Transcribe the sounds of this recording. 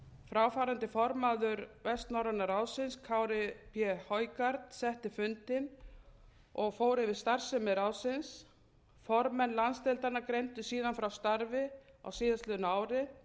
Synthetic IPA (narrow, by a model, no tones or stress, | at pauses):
fɾaːwfaːɾant̪ɪfɔɾmaðʏɾvɛst̪nawɾanaɾaːwsɪnskʰaːwɾɪpʰjɛhɔjkaɾt̪sɛht̪ɪfʏnt̪ɪn | ɔɣfoːwɾɪvɪðst̪aɾ̥sɛmɪɾaːwsɪns | fɔɾmɛnːlanst̪ɛlt̪anːakɾejnt̪ʏsiːðanfɾawst̪aɾvɪa̰wsiːðast̪lɛðʏnaːwɾɪ